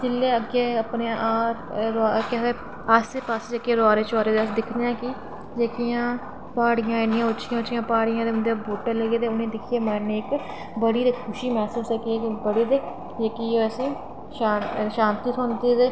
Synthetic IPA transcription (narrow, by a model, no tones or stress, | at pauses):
d͡ʒɪlːeːəɡeːəpneãʔaːɾɾakɛseː | əseːpaːsd͡ʒeːkeːɾoaːɾeːt͡ʃɔːɾeːd̪eəsd̪ɪkʰneãːki | d͡ʒekijãː | paːɽɪjãːenɪjãːʊt͡ʃʰɪjãːʊt͡ʃʰɪjãːpaːɽɪjãːd̪eːʊnd̪eboːʈːəɾləɡeːd̪eːʊnẽːd̪ɪkʰjeːmɛːneːk | bəɽiːd̪eːkʰʊʃiːmɛːsuːsɛːkiɛːkɪbəɽeːd̪eː | jekiːoɛsĩː | ʃaːʃãːnt̪iːsɔ̃ːnt̪iːd̪eː